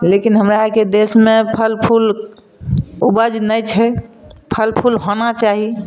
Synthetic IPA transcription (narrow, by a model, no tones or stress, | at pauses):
lekinɦəmɾaaked̪esmepʰəlpʰul | ubəd͡ʒnəjt͡ʃʰɛpʰəlpʰulɦonat͡ʃaɦi